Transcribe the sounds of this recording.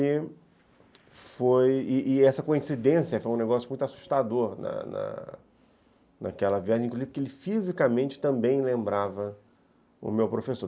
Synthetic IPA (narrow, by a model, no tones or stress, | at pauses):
ɪ | fojɪʔɪɛsɐkoĩsid̪ẽsjɐfojũneɡɔsjʊmũj̃t̪asu̥ʃt̪ad̪oɾnɐ̰nɐ̰ | na̰kɛlɐviaʒẽkluzipkelɪfizikamẽnt͡ʃɪ̥t̪ɐ̃mbẽj̃lẽmbɾavɐ | ʊ̰mewpɾofesoɾ